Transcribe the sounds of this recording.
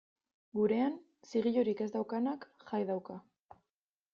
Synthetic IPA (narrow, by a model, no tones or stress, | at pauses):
ɡuɾe̞an | siɣ̞iʎoɾike̞zd̪awkanakʝajðawka